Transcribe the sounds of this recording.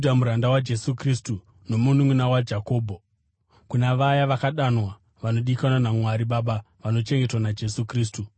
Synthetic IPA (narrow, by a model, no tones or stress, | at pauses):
damuɾandawad͡ʒe̞sukristu | no̞mun̤umwunawad͡ʒako̞ːbʱo | kunaʋajaʋakaɗanwa | ʋano̞ɗikanwanamwaɾiɓaɓa | ʋano̞t͡ʃe̞ŋɡe̞twanad͡ʒe̞sukriːs̬tu